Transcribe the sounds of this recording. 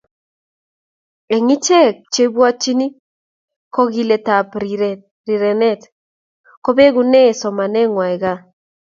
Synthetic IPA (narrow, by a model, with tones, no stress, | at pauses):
e˨ŋi˦t͡ʃɛ˦kt͡ʃe˦bwa˦t͡ʃi˦ni˦ | kɔ˦ɣi˨le˨ta˨p | ɾi˨ɾɛ˨nɛ˦t | kɔ˦be˦ɣu˦nɛ˦˨sɔ˨ma˨nɛ˦ŋwa˨i˨ɣa˦